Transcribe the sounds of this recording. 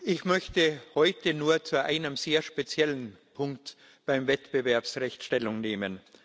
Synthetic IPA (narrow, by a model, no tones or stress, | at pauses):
ʔɪçmœçtəhɔʏtənuːɐt͡suʔa̰ɪnəmz̥eːɐʃpet͡sjɛlənpʰʊŋkt | b̥aɪmvɛtb̥əvɛɐpsʁɛçtʃtɛlʊŋneːmən